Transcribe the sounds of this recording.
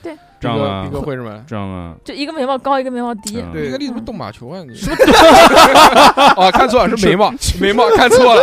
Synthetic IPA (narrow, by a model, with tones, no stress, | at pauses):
we˥˩ | t̪i˧˥ɡə˧i˧˩ɡə˧we˥˧ə˥˩mə̰˧˩˦t͡ɕji˧˥ɡə˧me˧˥ɪmɑ˥˩ʊkɑ˥ʊi˧ɡə˧me˧˥ɪmɑ˥˩ʊt̪i˧˥˧we˥˧˥li˥˧t͡s̩˥t̪ʊ˥˩ŋma̰˨˩t͡ɕʰjo˧˥ʊa˥˧˩n˧˥˩ | ɔ˥˧kʰa˥˧nt͡sʰɔ˥˩a˨˩ʂɻ̩˥˩me˧˥ɪmɑ˥˩me˧˥ɪmɑ˥˩kʰa˥˧nt͡sʰwɔ˥˩lə˨˩